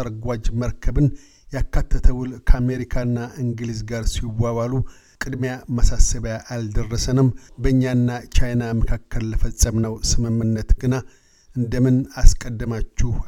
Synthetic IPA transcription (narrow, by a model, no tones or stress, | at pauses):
əɾɡʷad͡ʒməɾkʰəbɨn | jakʰːat̪ʰːət̪ʰəwulkʰəame̞ɾikʰanːaʔɨŋɡɨlizɡaɾsiwːaβalu | kʼɨd̪mejamasasəβəjaʔald̪ərːəsənɨmbəɨɲːaɨnːat͡ʃajnaməkʰakːəlːəfəsʼːəmnəwsɨmɨmːɨnːət̪ɡɨna | ʔɨnd̪əmɨnaskʼəd̪ːɨmat͡ʃːuh